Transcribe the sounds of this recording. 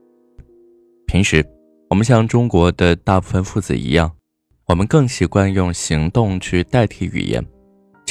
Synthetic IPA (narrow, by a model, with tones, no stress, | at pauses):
pʰi˧˥ŋʂɻ̩˧˥ | wɔ˨˩mə˦nɕ̬jɑ˥˩ŋʈ͡ʂʊ˥ŋkwɔ˧˥d̪ə˧t̪a˥˧pu˥˩fə˧nfu˥˩t͡sɹ̩̰˨˩ḭ˧˥jɑ˥˩ŋ | wɔ˨˩mə˦nkɤ˥˩ŋɕi˨˩kwa˥˧njʊ˥˩ŋɕi˧˥ŋt̪ʊ˥˧ŋt͡ɕʰy˥˧t̪a˥˧ɪt̪ʰi˥˩y̰˨˩jɛ̰˧˥n